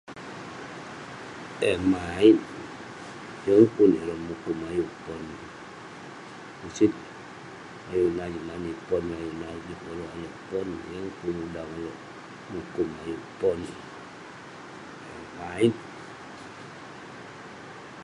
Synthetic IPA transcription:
ɛmait̚ | jɔŋkuniɾɔmukumajupɔni | usit̚ | ajunad͡ʒumanipɔnajunad͡ʒukɔlɔajopɔn̰jɔŋkunudaŋalɔ | mukumajupɔni | ɛmait̚

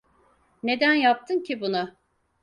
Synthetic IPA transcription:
ne̞d̪ænjap̚t̪ʰɯncʰibunʊ

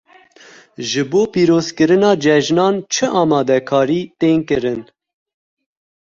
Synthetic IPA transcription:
ʒɨboːpiːɾoːzkɨɾɨnɑːd͡ʒɛʒnɑːnt͡ʃʰɨʔɑːmɑːd̪ɛkʰɑːɾiːt̪eːnkɨɾɨn

